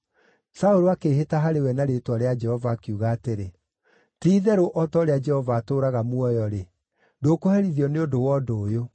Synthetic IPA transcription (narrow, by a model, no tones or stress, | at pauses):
saoɾoakeːɦetaɦaɾewɛnaɾetwaɾead͡ʒɛhɔvaːkeuɣaːteɾe | tiːðɛɾoʔɔtɔoɾead͡ʒɛhɔvaːtoːɾaɣamwɔjɔɾe | dokohɛɾiðiɔneodowɔdoːjo